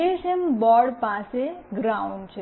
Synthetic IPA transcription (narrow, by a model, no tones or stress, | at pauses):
eʃembɔɽpãseɡɾaũɳɖt͡ʃʰe